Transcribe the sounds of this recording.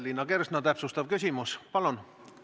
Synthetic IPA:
lːinːɑke̞rsnɑt̪æpsust̪ɑvkysʲimuspɑlun

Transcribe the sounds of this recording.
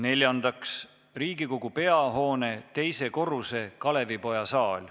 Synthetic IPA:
ne̞lʲjɑnd̪̥ɑks | riːɡ̥iko̞ɡ̥upe̞ɑɦo̞ːne̞t̪e̞jse̞ko̞ruse̞kɑle̞vipo̞jɑsɑːlʲ

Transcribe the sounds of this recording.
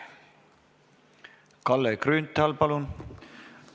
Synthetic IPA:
kɑlːekrynt̪ːælpɑlun

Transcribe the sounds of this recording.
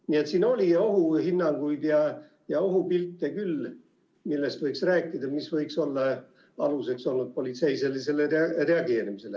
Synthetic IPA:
nie̞t̪siːno̞lʲio̞ɦuhinːɑŋɡ̥ujd̪̥jɑ | jɑo̞ɦupilt̪ˑːe̞kylː | milːe̞st̪vɤjksræːkːˑid̪̥ɑmisvɤjkso̞lːɑ | ɑluse̞kso̞lnud̪̚po̞lʲit̪se̞jse̞lise̞lere̞ɑɡe̞ːɾimise̞le

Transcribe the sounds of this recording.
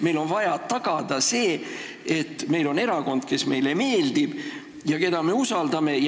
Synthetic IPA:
me̞jlo̞nvɑjɑt̪ɑɡ̥ɑd̪̥ɑse̞ː | et̪ːˑme̞jlo̞ne̞ɾɑko̞nd̪̥ke̞sme̞jle̞me̞ːld̪ib̥ | jɑke̞d̪̥ɑme̞usɑld̪̥ɑme̞j

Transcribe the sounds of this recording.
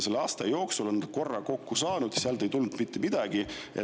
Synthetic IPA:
se̞lɑːst̪ɑjo̞ːksulo̞nko̞rːɑko̞kːusɑːnud̪̥seɑlt̪e̞jt̪ulnːud̪̥mit̪ːemid̪̥ɑɡ̥i | e

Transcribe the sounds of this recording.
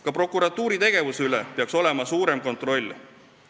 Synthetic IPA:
kɑpro̞kːˑuɾɑt̪ːˑuːɾit̪e̞ɡ̥e̞vuseylepeɑkso̞le̞mɑsuːɾe̞mko̞nt̪ˑro̞lʲː

